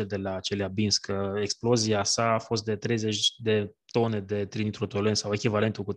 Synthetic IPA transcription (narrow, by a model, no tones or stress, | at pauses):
ed̪elaːt͡ʃe̞leabinskəeksplo̞ziasaːfo̞st̪̚d̪e̞t̪ɾe̞jze̞t͡ʃʲd̪e̞t̪o̞ne̞d̪e̞t̪ɾinit̪ɾut̪olensawe̞kʲivale̞nt̪uku